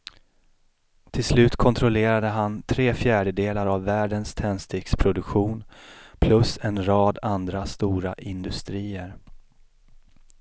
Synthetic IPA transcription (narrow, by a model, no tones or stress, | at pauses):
t̪ʰɪlslʉ̟ːt̪kʰɔnt̪ʰɾɔleːɾad̪əɦant̪ʰɾeːfjæːɖəd̪eːlaɾavːæːɖənst̪ʰɛnst̪ɪkspʰɾʊd̪ɵkɧuːnpʰlɵsɛnɾɑːd̪and̪ɾast̪uːɾaʔɪnd̪ɵst̪ɾiːəɾ